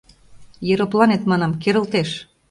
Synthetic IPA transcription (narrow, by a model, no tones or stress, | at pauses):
jeɾoplɑnet̪mɑnɑmkeɾə̆lt̪eʃ